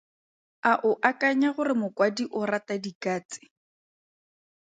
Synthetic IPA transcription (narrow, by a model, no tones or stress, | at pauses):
aʔʊʔakʼaɲaɣʊrɪmʊkwadiʔʊratadikaːt͡sɪ̥